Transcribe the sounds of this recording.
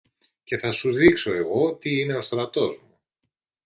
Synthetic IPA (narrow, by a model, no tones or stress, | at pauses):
ce̞θɐsuðikso̞e̞ɣo̞t̪iine̞o̞st̪ɾɐt̪o̞zmu